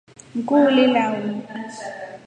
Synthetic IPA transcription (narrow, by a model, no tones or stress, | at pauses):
ŋ̩kʼulilawn